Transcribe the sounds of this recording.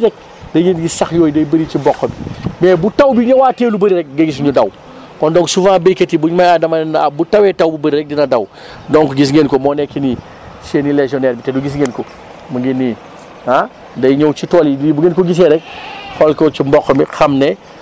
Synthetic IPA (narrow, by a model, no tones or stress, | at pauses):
ɾɛk̚ | dɐɡenɡisɐxjoːjidɐjbɐɾit͡ʃimbɔkːɐmimɛːbutawbiɲowaːteːlubɐɾiɾɛk̚ɡɐɡis̬ɲudɐw | kɔndɔ̃ŋsuvãːbekɐtibuɲmajadɐmɐnnbutɐwɛtɐwbubɐɾiɾɛk̚dinɐdɐw | dɔŋkɡis̬ŋenkomɔːnɛkini | seːnileʒɔnɛːɾbitɛduɡis̬ŋenko | mɐŋɡini | a | dɐjɲowt͡ʃitɔːlidbuɡeːnkoɡis̬ɛɾɛk̚xɔlkot͡ʃimbɔkːɔmixɐmnɛ